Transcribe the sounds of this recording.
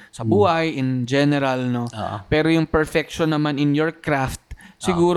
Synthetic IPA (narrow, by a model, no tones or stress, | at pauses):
sɐbuːhɐjʔɪnd͡ʒɛnɛɾalno̰pɛːɾojʊŋpɛɹfɛk̚ʃonːɐmanɪnjɔɹkɾaft̪̚sɪɡuːɾ